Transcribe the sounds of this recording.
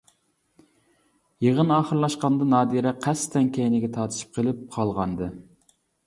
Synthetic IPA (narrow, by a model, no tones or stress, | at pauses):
jeʁənɑːχəɾlˠɑʃqɑnd̪ɑnɑːd̪iɾɛqʰæst̪ʰɛŋkʲejnɪɡʲɛt̪ʰɑːt̪ʰɨ̥ʃi̥p̚qʰəlˠɪp̚qʰɑlˠʁɑnd̪ɨ